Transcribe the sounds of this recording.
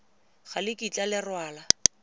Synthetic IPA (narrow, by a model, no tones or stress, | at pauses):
χalɪkʼit͡ɬʼalɪrwaːla